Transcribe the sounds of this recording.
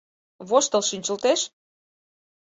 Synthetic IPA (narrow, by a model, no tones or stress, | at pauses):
βoʃt̪əlʃinʲt͡ɕəlt̪eʃ